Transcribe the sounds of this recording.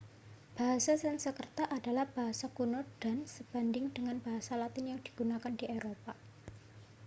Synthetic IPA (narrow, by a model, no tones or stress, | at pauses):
b̥aɦasasɛnsəkərt̪aʔːdalahb̥aɦasakunʊd̥a̤nsəb̥a̤ndɪŋd̥əŋanb̥aɦasalat̪ɪnjaŋd̥i̥ɡ̥unakandieɾopa